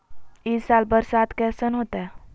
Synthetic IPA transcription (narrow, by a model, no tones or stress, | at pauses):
isalbəɾsat̪kɛsənɦot̪ɛ